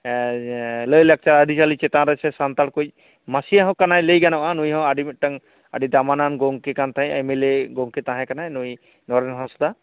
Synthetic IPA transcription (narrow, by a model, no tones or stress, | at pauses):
ləjlak̚t͡ʃaɾadʱisalit͡ʃɛt̪ãɾasɛsant̪aɽkuj | masijaɦɔ̃kanajləjɡanawʔanujhɔ̃aɖiʈaŋ | a̰didamananɡɔŋkekant̪ʰaɛameleɡɔŋket̪ãɦɛ̃kanajnuj | nɔɾɛnɦɔ̃sd̪a